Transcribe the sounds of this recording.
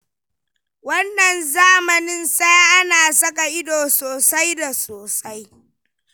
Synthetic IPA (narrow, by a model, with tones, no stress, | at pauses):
wɐ˦nːɐ˨nzaː˦mɐ˨nɪ˦nsa˦ʔa˦naː˨sɐ˦kʼa˨ʔɪ˦doː˨soː˨sa˦jda˨soː˨sa˦j